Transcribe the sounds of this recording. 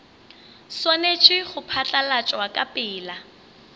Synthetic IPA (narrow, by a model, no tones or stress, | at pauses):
swanet͡ʃʰʼɪχʊpʰat͡ɬʼalat͡ʃʼwakʼapʼɪːla